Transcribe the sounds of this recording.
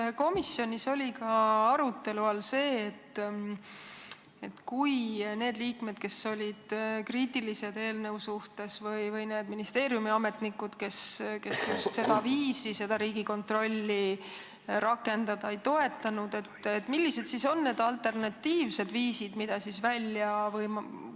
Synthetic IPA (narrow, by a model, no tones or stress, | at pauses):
ko̞misːjo̞nʲiso̞lʲikɑɑɾut̪ːe̞luɑlse̞ːt̪ː | e̞t̪kujne̞ːd̪liːkme̞d̪̥̚ke̞so̞lʲid̪̥kriːt̪ˑilise̞d̪e̞ːlnəwsuht̪e̞svɤjvɤjne̞ːd̪̥minist̪e̞ːɾjumiɑme̞t̪nikːud̪̥ke̞ske̞sjustt̪se̞d̪ɑviːsise̞d̪̥ɑɾiːɡ̥iko̞nt̪ro̞lʲːi | ɾʔɑkːe̞nd̪̥ɑd̪̥ɑejt̪o̞e̞t̪ːˑɑnud̪e̞t̪ːet̪ːˑmilːise̞d̪̥siso̞nːe̞ːd̪ɑlt̪ˑe̞rnɑt̪ːiːvse̞d̪viːsid̪̥mid̪̥ɑsisvælʲjɑvɯjm